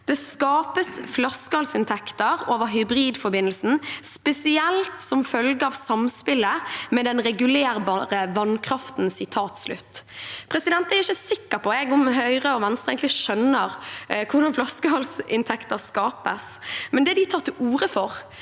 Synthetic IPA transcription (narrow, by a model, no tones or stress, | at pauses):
d̪̥ɛskɑːpəsflɑskəhɑlsɪnt̪ʰɛkt̪əɾoːʋəɦʏbʁiːd̪fɔɾbɪnːəlsn̩spɛsɪɛlt̪sɔmfœlɡəɑʋsɑmspɪləmɛd̪ɛnʁɛɡʉleːʁbɑʁəʋɑnkʰɾɑft̪n̩sɪt̪ʰɑːt̪slʉ̰t̪ːpʰɾɛsɪd̪ɛnt̪æɾɪçəsɪkːəɾpʰɔɛɡʊmɦœʏʁəɔʋɛnst̪ʁɛeɪŋk̪lɪʃœnəʁkʰʊʁd̪ɑnflɑskəhɑlsɪ̰nt̪ʰɛkt̪əɾskɑːpəsmɛnd̪ɛd̪ɪt̪ʰɑːɾt̪ʰɪlʔuːɾəfɔʁ